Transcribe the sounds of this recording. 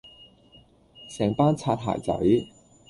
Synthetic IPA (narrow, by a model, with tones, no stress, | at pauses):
sɛː˨˩ŋpaː˥nt͡sʰaː˧t̚ɦa̰ː˨˩jt͡sɐ̰˨˥j